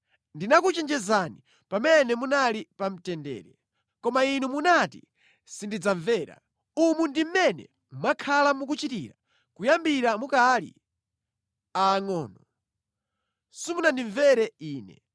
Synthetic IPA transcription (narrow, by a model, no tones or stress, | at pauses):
ndinakut͡ʃɛnd͡ʒɛzani | pamɛnɛmunalipam̩tɛndɛ̰ːɾɛ | kɔmainumunatḭ | sindid͡zaɱvɛːɾa̰ | umundim̩mɛnɛ̰ | makʰalamuk̬ut͡ʃitiɾa | kujambiɾamukalḭ | aːŋɔːnɔ | simunandiɱvɛɾɛiːnɛ̰